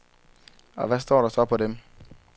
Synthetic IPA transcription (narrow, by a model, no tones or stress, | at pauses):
a̰vɛs̬t̪ɔɾɔsaːpʰɔdɛ̃m